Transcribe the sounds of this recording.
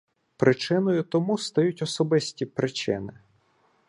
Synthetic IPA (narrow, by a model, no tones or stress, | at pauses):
pɾʔɪt͡ʃɪnɔjʊt̪ɔmust̪ɐjutʲɔsɔbɪsʲtʲipɾʔɪt͡ʃɪ̰nɪ